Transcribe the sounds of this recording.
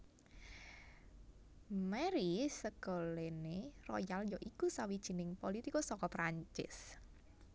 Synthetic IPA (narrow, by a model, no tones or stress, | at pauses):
mɛɾisəɡ̥o̤lenerɔ̰jaljɔʔikusawid̥ʒ̥i̤nɪŋpolit̪ikosɔkɔpɾaɲt͡ʃɪ̰s